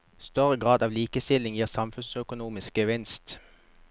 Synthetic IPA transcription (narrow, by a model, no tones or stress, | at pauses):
st̪œʁəɡʁɑːd̪ɑːʋliːkəst̪ɪlɪŋjiːʁsɑmfʉnsœkʊnuːmɪskəʋɪnst̪